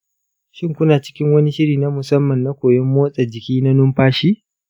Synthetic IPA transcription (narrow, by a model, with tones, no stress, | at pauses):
ʃɪ˦ŋkʷʊ˦naː˨t͡ʃɪ̥˦kʲɪ˦ŋwɐ˦ni˦ʃɪ˦ɽiː˨na˦mʊ˨sɐ˦mːɐ˨nːa˦kʷoː˨jɔ˦mːoː˦sʼɐ˨d͡ʒɪ˨kʲiː˦na˦nʊ˦mɸaː˦ʃiː˦